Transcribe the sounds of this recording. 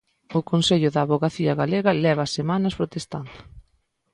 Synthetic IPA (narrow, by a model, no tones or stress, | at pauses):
ʊkonseʎʊðɐːβoɣaθiɐɣaleɣɐlɛβɐasemanɐspɾot̪est̪and̪ʊ